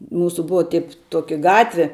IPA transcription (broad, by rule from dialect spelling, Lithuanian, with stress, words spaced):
ˈmuːsʊ ˈbʊʋɐ tʲɪp ˈtuɔkʲɪ ˈɡɑːtʲʋʲɪ